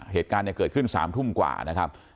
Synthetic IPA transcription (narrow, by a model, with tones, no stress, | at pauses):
heː˨˩t̪̚kaː˧nːi˥˩kɤː˨˩t̚kʰɯ˥˩nsa̰ː˩˦mt̪ʰu˥˩mkwa̰ː˨˩na˦˥kʰa˦˥p̚